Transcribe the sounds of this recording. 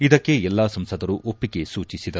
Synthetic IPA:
id̪ɐkːe̞ɛlːaːsɐmsɐd̪ɐɾuʔopːiɡe̞suːt͡ʃisid̪ɐ

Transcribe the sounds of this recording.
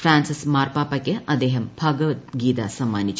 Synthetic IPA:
fɾaːnsismaːrpaːpɐkʲːɨʔɐd̪eːɦɐmbʱaːɡɐʋɐt̪ɡiːt̪asɐmːaːnit͡ʃː

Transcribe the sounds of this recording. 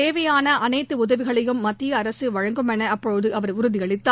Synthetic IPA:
eːʋɐjaːnɐʔɐnɐɪt̪ːɯʊðɐʋɪɣɐɭɐjɯmːɐt̪ːɪjɐːɾɐsɯʋɐɻɐŋɡɯmɛnɐːpːɔɻɯðɯʔɐʋɐɾʊɾʊðɪɐɭɪt̪ːaː

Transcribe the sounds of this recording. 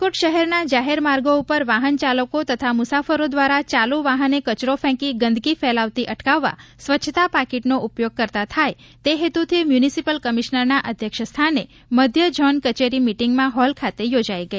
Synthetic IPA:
koʈʃəɦɛɾnad͡ʒaɦeɾmaɾɡoupəɾʋaɦənt͡ʃaləkot̪ət̪ʰamʊsafəɾod̪ʋaɾat͡ʃaluʋaɦənekət͡ʃɾofɛ̃kiɡə̃nd̪ʱɡifɛlaʋt̪iʔəʈkaʋːa̰sʋət͡ʃʰːət̪apakeʈnoʔupjoɡ̚kəɾt̪at̪ʰaj | t̪eɦet̪ut̪ʰimjunisipəlkəmiʃnəɾnaʔəd̪ʱjəkʃst̪ʰane | məd̪ʱjəd͡ʒɔnkət͡ʃeɾimiʈiŋɡmãɦɔlkʰat̪ejod͡ʒaiɡəe

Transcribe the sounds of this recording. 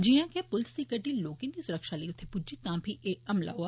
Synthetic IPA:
d͡ʒijãːkepʊlst̪ikəʈiloːkɪ̃nd̪isʊɾəkʃaliiʊt̪ʰːepʊd͡ʒit̪ãːbʱieːɐmla̰ɦoa

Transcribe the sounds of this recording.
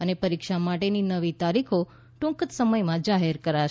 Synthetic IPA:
ənepəɾikʃamaʈeninəʋit̪aɾikʰo | ʈʊ̃ŋkət̪səməjmãd͡ʒaɦeɾkəɾaʃ

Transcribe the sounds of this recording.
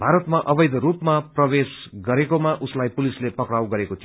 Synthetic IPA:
bʱaɾʌt̪maʔʌbʌjd̪ɾupmaprʌbesɡʌɾekomaʔuslajpulislepʌkrawɡʌɾekot̪ʰi

